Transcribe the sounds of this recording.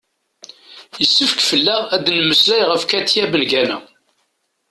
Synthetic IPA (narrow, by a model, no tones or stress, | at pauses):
jəsːəfəkfəlːæʁæd̪nməslæjʁəfkæt̪jæbənɡænæ